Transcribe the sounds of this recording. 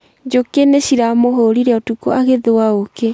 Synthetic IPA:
d͡ʒokeneɕiɾamoɦoɾiɾeɔtukɔaɣeðowaoke

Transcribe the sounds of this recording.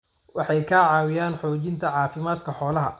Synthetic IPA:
wɑħɑjkʰaːʕɑːwɪjaːnħɔːt͡ʃɪnt̪ʰɐʕɑːfɪmaːd̪kʰɐħɔːlɐɦɐ̰

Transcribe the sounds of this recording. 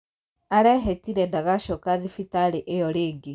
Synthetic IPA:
aɾɛɦɛtiɾɛndaɣaʃɔkaðifitaɾeʔejɔɾeːŋɡe

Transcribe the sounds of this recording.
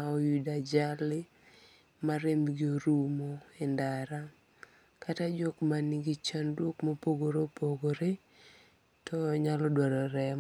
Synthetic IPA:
aɔjudad͡ʒalɪ | maɾemɡɪoɾumoendaɾa | kʰatad͡ʒokmaniɡit͡ʃandwokmopoɡoɾopoɡoɾe | tʰɔɲalɔdwaɾɔɾɛm

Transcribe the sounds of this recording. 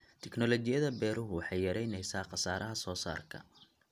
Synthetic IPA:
t̪ʰɛknɔlɔt͡ʃɪjɐðɐbɛːɾʊɦʊwɑħɑjːɐɾɛjnɛjsaːqɑsaːɾʔɐɦɐsɔːsa̰ːrkʰɐ̰

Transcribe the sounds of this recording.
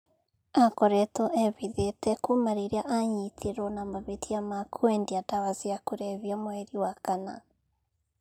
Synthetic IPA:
akɔɾɛtɔʔɛβiðetɛkumaɾiɾeaʔaɲitʰiɾɔnamaβetʰiamakʰwendiatawaziakuɾɛβiamoɛɾiwakana̰

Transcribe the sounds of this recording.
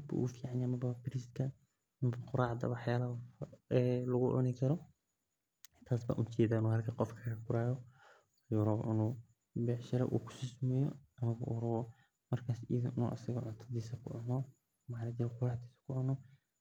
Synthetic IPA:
hɐd̪bɐ̰ʔṵːfiːʕanjamɐbɐbɪɾiskʰɐ | mɐbɐqʊɾaːʕd̪ɐ̰wɑħjaːlɐɛlɐɣʊʔɔ̰nɪkʰɐɾɔ | t̪ʰaːsba̰ːʔʊt͡ʃɛːdaːnɔːhɐrkʰɐqɔfkʰɐkʰɐkʊɾaːjɔ | juɾɔbʔɪnuː | bɛːħʃɐɾɐ̰ʔṵːkʰʊ̥sɪsmɛːjɔ̰ɐmɐβɐ̰ʔuːɾɐβɔ | mɐrkʰaːsḭːðɐʔnṵːʔɐsɐɣɐʕʊnt̪ʰɐd̪iːsɐkʰʊʕʊnɔ | maħnɐd͡ʒɛɾɛqʊɾaːʕd̪iːsɐ̥kʰʊʕʊnɔ

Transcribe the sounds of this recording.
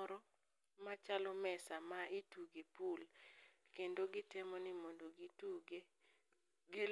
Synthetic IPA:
ɾɔ | mat͡ʃalɔmɛsamaituɡepulkendoɡɪtɪmɔnɪmondoɡɪtuɡe | ɡɪ

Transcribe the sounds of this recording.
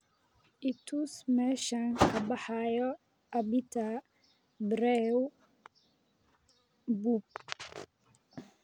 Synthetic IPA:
ʔɪt̪ʰusmɛːʃɐŋkʰɐbɑħɑjɔ | ɐbit̪ʰɐ | bɾɛ | bub̚

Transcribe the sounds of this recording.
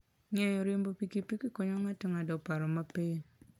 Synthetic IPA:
ɲajoɾombopikipikikoɲoŋatiŋadopaɾomape

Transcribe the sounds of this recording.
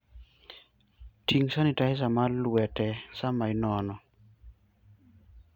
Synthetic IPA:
tiŋsanitaɪs̬amalwɛtɛsamaɪnɔnɔ

